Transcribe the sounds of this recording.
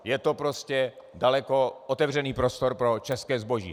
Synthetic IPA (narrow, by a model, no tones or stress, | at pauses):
jɛt̪o̞pɾo̞scɛdalɛko̞ʔot̪ɛvr̝ɛniːpɾo̞st̪o̞ɾpɾo̞t͡ʃɛskɛːzbo̞ʒḭː